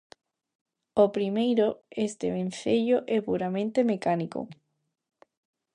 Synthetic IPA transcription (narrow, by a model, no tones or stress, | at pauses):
opɾimejɾoest̪eβẽn̟θeʎoʔɛpuɾamẽnt̪emekaniko̰